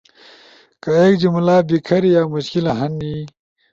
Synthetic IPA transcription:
kɐeːkd͡ʑimulaːbikʰɐɾijaːmuɕkilɐɦɐnːiː

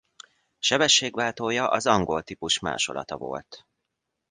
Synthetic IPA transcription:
ʃɛbɛʃːeːɡʋaːt̪oːjɒʔɒzɒŋɡo̞lt̪ipuʃma̰ːʃo̞̰lɒ̰t̪ɒvo̞̰lt̪

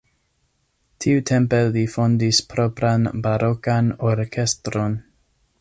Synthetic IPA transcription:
tʰiutʰempelifondispɾopɾanbaɾokanoɾkest̪ɾon

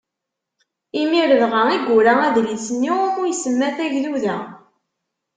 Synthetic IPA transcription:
imiɾəðʁəʁiɡʷːuɾææðlisənːiʊɾujsəmːæθæʝðuðæ

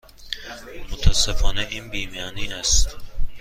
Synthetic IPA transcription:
mot̪ʰæsːefɒːneʔiːnbiːmiɒːniːnæst̪

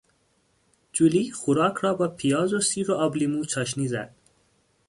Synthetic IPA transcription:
d͡ʒuliːxuɾɑːkʰɾɒːbɒːpʰijɒːzosiːɾoɒblimuːt͡ʃʰɒːʃ̬niːzæ̰d̪̥̚

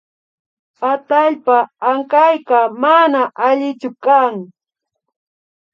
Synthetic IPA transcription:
pat̪aʎpaːŋkajkamanaʔaʎɪt͡ʃʊkaŋ

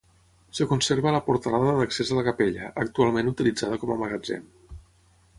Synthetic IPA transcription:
səkunseɾβələpuɾt̪əlaðəðəksezələkəpeʎəʔək̚t̪ualˠmenut̪ilid͡zaðəkɔməməɣəd͡zɛ̰m

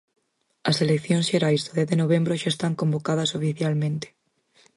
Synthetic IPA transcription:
ɐselekθjõnsʃeɾajzðoðɛθðenoβembɾoʃaest̪aŋkõmbokað̞ɐsofiθjalmẽnt̪e̥

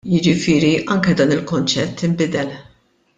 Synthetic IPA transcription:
jɪd͡ʒɪfɪːɾiʔɐŋkɛd̪ɐːnɪlkʊnt͡ʃɛt̪ʰːɪmbɪd̪ɛl

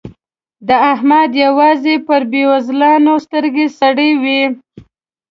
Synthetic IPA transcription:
d̪əahmad̪jawɑzepəɾbewazlɑnost̪əɾɡesaɽəjwi

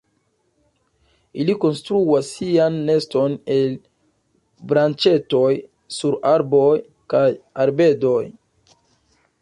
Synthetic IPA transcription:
iliko̞nstɾuasːianːe̞sto̞ne̞l | bɾant͡ʃe̞to̞j | suɾaɾbo̞j | kajaɾbe̞do̞j

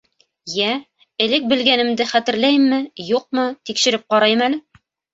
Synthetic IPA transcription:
jæ | ɘ̆lɘk̚bɘ̆lɡænɘ̆md̪ɘχæt̪ɘ̆ɾlæjmːɘjuq̚mɤt̪ikʃɘ̆ɾɘp̚qɑɾɑjɤmælɘ

